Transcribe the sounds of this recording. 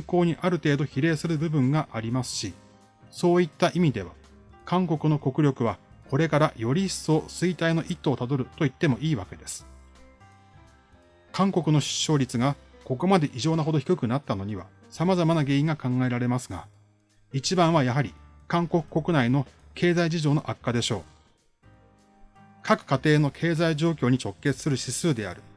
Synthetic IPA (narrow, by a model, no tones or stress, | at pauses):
ŋko̞ːɲ̟iʔaɾɯ̟t̪e̞ːd̪o̞çiɾe̞ːsɨɾɯ̟bɯ̟bɯ̟̃ŋɡaʔaɾʲimasɨ̥ɕi | so̞ːit̪ːaʔimʲid̪e̞β̞a̰ | kãŋko̞kɯ̟no̞ko̞kɯ̟ɾʲo̞kɯ̟βa | ko̞ɾe̞kaɾajo̞ɾʲiso̞ːsɨit̪aino̞ʔit̪ːo̞ːt̪ad̪o̞ɾɯ̟t̪o̞it̪ːe̞mo̞ʔiːβake̞d̪e̞sɨ̥ | kãŋko̞kɯ̟no̞ɕi̥ɕːo̞ːɾʲit͡sɨɡako̞ko̞mad̪e̞ʔiʑo̞ːnaɦo̞d̪o̞çi̥kɯ̟kɯ̟nat̪ːano̞ɲ̟iβa̰ | samazamanaɡe̞ːĩŋɡakãŋɡae̞ɾaɾe̞masɨɡa | it͡ɕibãɰ̃βajaɦaɾʲi | kãŋko̞kɯ̟̥ko̞kɯ̟naino̞ | kʰe̞ːzaiʑiʑo̞ːno̞ʔakːad̪e̞ɕo̞ː | kʰakɯ̟̥kat̪e̞ːno̞kʰe̞ːzaiʑo̞ːkʲo̞ːɲ̟it͡ɕo̞kːe̞t͡sɨ̥sɨɾɯ̟ɕisɨːd̪e̞a̰ɾɯ̟